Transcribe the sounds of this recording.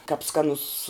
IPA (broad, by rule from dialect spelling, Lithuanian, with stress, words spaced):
kɐp ˈskɑːnʊs